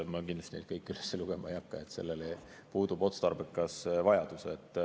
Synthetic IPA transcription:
mɑkinlɑst̪inejd̪̥kɤjkːˑylesːeluɡ̥emɑejɑkːɑe̞t̪ːse̞̰lːele | puːd̪ubo̞t̪st̪ɑrbekːɑsvɑjɑd̪̥uset̪ːˑ

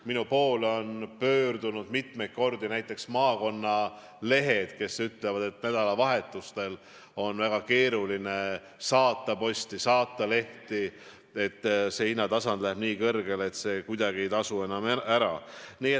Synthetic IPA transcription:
minupo̞ːlo̞npø̞ːrd̪unud̪mit̪me̞jt̪̚ko̞rd̪inæjt̪ˑːe̞ksmɑːko̞nːɑ | le̞ɦe̞d̪̥ke̞syt̪le̞vɑd̪̥e̞t̪næd̪̥ɑlɑvɑɦe̞t̪ːˑust̪e̞l | o̞nvæɡ̥ɑke̞ːɾuline̞ | sɑːt̪ːˑɑpo̞sʲt̪isɑːt̪ːˑɑle̞ht̪i | e̞t̪ːseinːɑt̪ɑsɑnd̪̥læheb̥niːkɤrɡe̞let̪se̞ːkujd̪ɑɡie̞jt̪ɑsue̞nɑmæɾɑ̰niːe

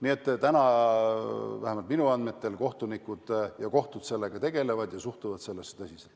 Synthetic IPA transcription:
nie̞t̪ːt̪ænɑ | væhemɑlt̪̚minuɑnd̪me̞t̪ːe̞lko̞ht̪unikːˑud̪̥jɑko̞ht̪ud̪se̞lːeɡ̥ɑt̪e̞ɡ̥e̞le̞vɑd̪jɑsuht̪uvɑd̪se̞lːesːe̥t̪ɑsʲiselt̪

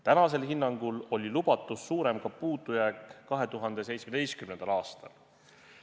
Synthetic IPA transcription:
t̪ænɑse̞lhinːɑŋɡ̥ulo̞lʲilub̥ɑt̪ːˑusːuːɾe̞mkɑpuːd̪ˑujækˑːɑɦe̞t̪uɦɑnd̪e̞s̬e̞jtsmed̪̥e̞jskymnend̪̥ɑlɑːst̪ɑ̰l

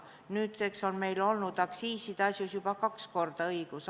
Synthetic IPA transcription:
nyːt̪sekso̞nme̞jlo̞lnud̪ɑksiːsid̪̥ɑsjusjub̥ɑkɑksko̞rd̪̥ɑɤjɡ̥us

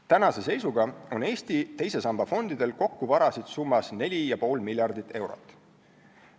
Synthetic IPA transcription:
t̪ænɑse̞se̞jsuɡɑo̞ne̞ːsʲt̪it̪e̞jse̞sɑmb̥ɑfo̞nd̪̥id̪̥e̞lko̞kːuvɑɾɑsid̪̥sumːɑsne̞lʲijɑpo̞ːlmilʲjɑrd̪it̪ːˑe̞wɾo̞̰t̪ːˑ

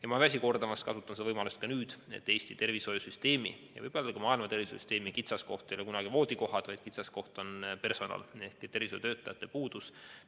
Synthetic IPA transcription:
jɑmɑvæs̬ʲiko̞rd̪̥ɑmɑst̪kɑsut̪ːˑɑnsevɤjmɑlust̪̚kɑnyːd̪̥e̞̰t̪ːe̞ːsʲt̪it̪e̞rviso̞jusyst̪e̞ːmḭjɑ̰vɯjb̥oolːɑkɑmɑːilmɑt̪e̞rvisosy̰st̪e̞ːmikit̪sɑsko̞ht̪ˑejolekunɑɡ̥ivo̞ːd̪iko̞ɦɑd̪̥vɑjd̪̥kit̪sɑsko̞ht̪o̞npe̞rso̞nɑ̰le̞hkit̪ːervisojṵt̪øːt̪ːˑɑjɑt̪ːˑe̞puːd̪̥us

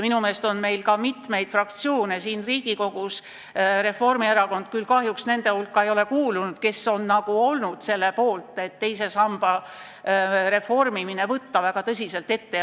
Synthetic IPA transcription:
minume̞ːst̪o̞nme̞jlkɑmit̪me̞jd̪̥frɑkt̪sio̞ːnesiːnriːɡ̥iko̞ɡ̥us | re̞fo̞rmieɾɑko̞nd̪̚kylkɑɦjuksne̞nd̪e̞hulkˑːɑe̞jo̞le̞kuːlunud̪̥ke̞so̞nnɑɡ̥uo̞lnud̪̥se̞lːepo̞ːlt̪ːˑe̞t̪ːe̞jse̞sɑmb̥ɑ | ɾe̞fo̞rmimine̞vɤt̪ːɑvæɡ̥ɑt̪ɤs̬ʲise̞lt̪e̞t̪ːe

